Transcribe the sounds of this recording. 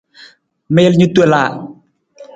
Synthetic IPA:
me˦lɲu˦t̪e˨la˨

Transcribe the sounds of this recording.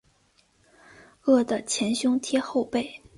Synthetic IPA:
ɤ˥˩d̪ə˩t͡ɕʰjɛ˧˥nɕjʊ˥ŋt̪ʰjɛ˥xo˥˧ʊpe˥˩ɪ

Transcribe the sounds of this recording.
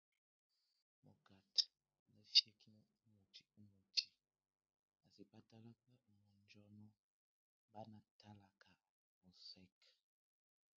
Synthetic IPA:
mɔ̰˨ɡa˨t | nə˨fjɛ˦kʰi˦n˦mo˨tʰi̥˨u˦mo˨tʰi˨ | a˨si˨pa˦ta˦la˦k͡pɛ˦˨mɔ˨nd͡ʒɔ˦nɔ˦ | ba˦na˨tʰa˦la˨kʰa˨ | mɔ˨sɛ˦k

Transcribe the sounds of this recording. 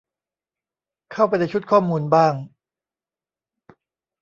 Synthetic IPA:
kʰa˥˩wpa˧jna˦˥jt͡ɕʰu˦˥t̪̚kʰɔː˥˩muː˧nbaː˥˩ŋ

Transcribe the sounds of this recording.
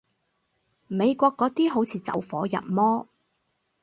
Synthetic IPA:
me˨˧jkʷɔː˧kːɔː˨˥t̪iː˥ɦo˨˥wt͡sʰiː˨˥t͡sɐ̰˨˥wfɔː˨˥jɐ̰˨t̚mɔː˥

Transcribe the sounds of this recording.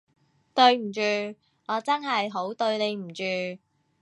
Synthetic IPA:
t̪ɵ˧ɥm̩˨˩t͡ʃyː˨˧ | ŋɔː˨˧t͡sɐ˥nɦɐ˨jɦo˨˥wt̪ɵ˧ɥne˨˧jm̩˨˩t͡ʃyː˨˧

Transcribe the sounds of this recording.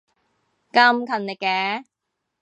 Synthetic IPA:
kɐ˥mkʰɐ˨nlɪ˨˩kːɛː˨˦

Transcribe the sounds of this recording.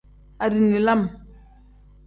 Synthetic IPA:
a˨ɾi˨ni˨la˦m

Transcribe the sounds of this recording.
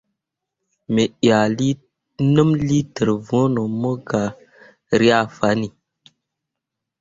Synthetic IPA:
me˨ja˨li˦ | nə˦mli˦tə˨ɾvo˦no˨mo˦ɡa˨ | ɾi˦a˦˨fa˨˦ni˨

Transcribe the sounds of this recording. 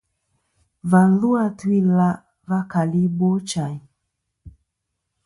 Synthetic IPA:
va˨ðu˦a˦twi˦la˦ | va˦ka˨li˦bɔ˦t͡ʃa˨i˨

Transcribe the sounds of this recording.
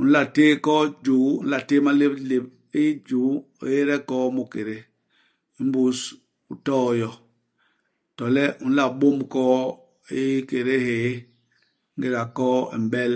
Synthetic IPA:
u˨n̩˦la˨teː˦kɔ˦d͡ʒu˨˦ṵ˦n̩˦la˨te˦ma˦le˦ble˨p̚ | i˦d͡ʒu˨˦ | o̰˨je˦ɾɛ˦kɔː˦mu˨ke˨ɾe˦ | i˨˦m˦bu˨˦s | u˨tɔː˦jɔ˨ | tɔ˨lɛ˦ʔu˨n̩˦la˨ɓo˦mkɔ˦ | i˦ke˨ɾe˦heː˨ | ŋ˦ɡe˨ɾa˨kɔː˦ḭ˨m˨bɛ˦l

